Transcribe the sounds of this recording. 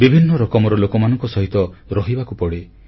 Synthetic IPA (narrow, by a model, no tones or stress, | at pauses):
bibʱinːɔɾɔkɔmɔɾɔlokɔmanɔŋkɔsɔɦit̪ɔɾɔɦibakupɔɽe